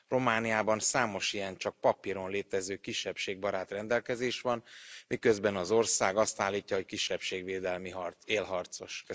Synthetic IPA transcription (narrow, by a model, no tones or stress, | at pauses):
ro̞maːnijaːbɒnsaːmo̞ʃijɛnt͡ʃɒk̚pɒpiɾo̞nleːt̪ɛzøːkiʃːɛpʃeːɡ̚bɒɾaːt̪rɛnd̪ɛlkɛzeːʃʋɒnmikø̞zbɛnɒzo̞rsaːɡɒst̪aːlːiːcːɒɦo̞ckiʃːɛpʃeːɡveːd̪ɛlmiɦreːlɦɒrt̪so̞ʃk